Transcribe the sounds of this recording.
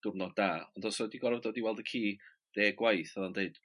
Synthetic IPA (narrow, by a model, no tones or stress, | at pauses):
d̥ʊrnɔd̥aɔndɔsɔdiɡɔrvdoːdiwɛlˠdəkʰiː | d̥eːɡwajθəðandeɨd̥